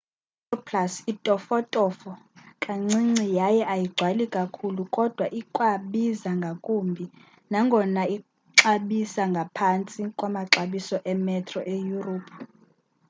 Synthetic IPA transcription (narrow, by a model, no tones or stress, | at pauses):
ɔpʰlasitʼɔfɔtʼɔfɔkʼaŋ͡ǀiŋ͡ǀijajɛʔajiɡ͡ǀʱwalikʼakʰulukʼɔd̥ʱwaʔikʼwaɓizaŋɡʱakʼumbʱi | naŋɡʱɔnai | ǁaɓisaŋɡʱapʰant͡sʼikʼwamaǁaɓisɔʔɛmɛtʰrɔʔejuroːpʰu